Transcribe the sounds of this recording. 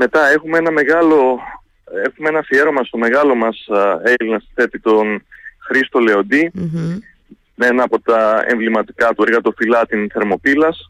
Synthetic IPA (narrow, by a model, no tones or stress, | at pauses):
me̞t̪ɐe̞xumeenɐme̞ɣɐlo̞ | e̞xumeenɐfie̞ɾo̞mɐst̪o̞me̞ɣɐlo̞mɐselinɐsi̥θe̞p̪it̪o̞nxɾist̪o̞le̞o̞d̪i | menɐːpo̞t̪ɐḛ̃ɱvlimɐt̪i̥kɐt̪ueɾɣɐt̪o̞filɐt̪inθe̞ɾmo̞pilɐs